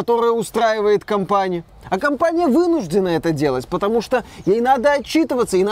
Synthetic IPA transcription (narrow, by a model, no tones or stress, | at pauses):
ɐt̪o̞ɾəjəʊst̪ɾajɪvəjɪt̪kɐmpanʲɪjʊ | ɐkɐmpanʲɪjəvɨnʊʐdʲɪnəɛt̪ədʲe̞lˠətʲpət̪ɐmuʂt̪ojejnad̪əɐt͡ɕːit̪ɨvət̪sːəin